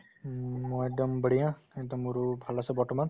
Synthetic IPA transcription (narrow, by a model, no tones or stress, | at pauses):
mɔjɛk̚d̪ɔmbəɽijãɛk̚d̪ɔmuɹubʱalasɛbɔɹtɔman